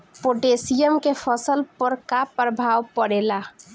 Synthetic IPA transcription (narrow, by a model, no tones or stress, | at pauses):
poʈesijəmkepʰəsəlpəɾkapɾəbʱawpəɾela